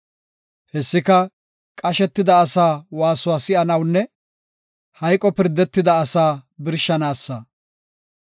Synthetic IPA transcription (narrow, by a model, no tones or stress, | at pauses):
hɛsːɪkɐ | kʼɐʃɛt̪ːɪd̪ɐːsaːwaːsʊwaːsɪʔɐnɐwnːɛ | hɐjkʼɔpɪɾd̪ːɛt̪ːɪd̪ɐːsaːbɪɾʃːɐnaːsːɐ